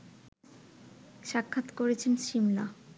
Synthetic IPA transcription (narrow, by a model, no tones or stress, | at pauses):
ʃakʰːat̪koɾet͡ɕʰenʃimna